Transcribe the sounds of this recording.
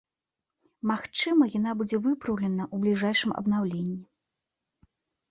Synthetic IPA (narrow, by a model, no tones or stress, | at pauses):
maxt͡ʂɨmɐjan̪abud͡zʲɛvɨpɾɐwlʲɛnɐʔublʲiʐajʂɨmɐ̰bn̪awlʲenʲːi